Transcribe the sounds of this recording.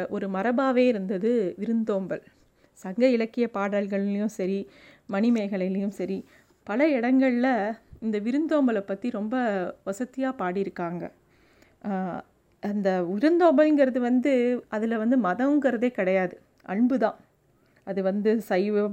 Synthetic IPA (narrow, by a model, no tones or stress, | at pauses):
ʔɔɾɯmɐɾɐbaːʋeːɪɾɯnd̪ɐðɯʋɪɾɯnd̪oːmbɐl | sɐŋɡɐɪɭɐkːɪjɐpaːɽaːlɣɐɭɪljɯ̃msɐɾi | mɐnɪmɐɪɣɐɭɪlɪjɯmsɐɾi | pɐlɐɪɽɐŋɡɐɭɪlɐɪnd̪ɐʋɪɾɯnd̪oːmbɐlɐpːɐt̪ːiɾɔmbɐʋɐsɐt̪ːɪjaːpaːɽɪɾɯkːaːŋɡɐ̰ | ʔɐnd̪ɐʋɪɾɯnd̪oːmbɐlɪŋɡɐɾɐðɯʋɐnd̪ɯʔɐðɪlʋɐnd̪ɯmɐðɐʋɯŋɡɐɾɐðeːkɪɽɐjaːðɯ | ʔɐɳbɯðãː | ɐðɯʋɐnd̪ɯsɐjʋɯ